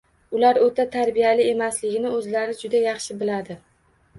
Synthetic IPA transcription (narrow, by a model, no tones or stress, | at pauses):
ʊlaɾot̪ʰat̪ʰaɾbijalɪe̞maslɪɡʲɪnɪɵzlaɾɪd͡ʒʊd̪ajɑχʃɪbɪlad̪ɪ